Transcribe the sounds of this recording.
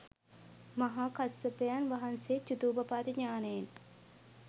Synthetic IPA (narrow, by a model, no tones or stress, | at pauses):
maɦaːkasːəpejanʋaɦanseːt͡ʃud̪uːbɐpaːt̪iɲaːnejen